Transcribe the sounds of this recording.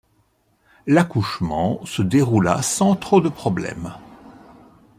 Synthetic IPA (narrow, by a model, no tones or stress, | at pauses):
lakuʃmɑ̃səd̪eʁula̰sɑ̃t̪χod̪əpχɔblɛ̰m